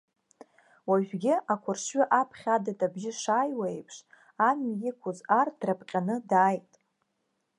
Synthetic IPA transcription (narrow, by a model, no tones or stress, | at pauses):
waʒᶣɡʲɪʔakʷʰʊrʂɥʏʔapʰχʲadatʼabʒɪʂaːjwejpʰʂ | amjɪkʷʰʊzard̥rapʰʼqʲʼanɨdaːjtʼ